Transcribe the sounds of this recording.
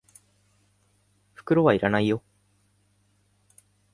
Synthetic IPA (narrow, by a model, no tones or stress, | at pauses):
fʉ̥kɯɾoʋaiɾanaijːo